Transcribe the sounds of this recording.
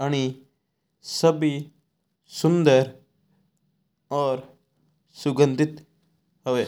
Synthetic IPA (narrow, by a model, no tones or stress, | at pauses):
aɽ̃i | səbi | sund̪əɾ | ɔːɾ | sʊɡə̃nd̪it̪ | ɦəʋe